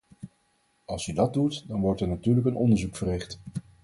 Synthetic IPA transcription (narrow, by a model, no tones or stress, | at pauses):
ɑlˠsydɑt̚dutdɑnʋɔɹtɛɹnatyːɹləkənɔ̰ndəɹzukfərɪχt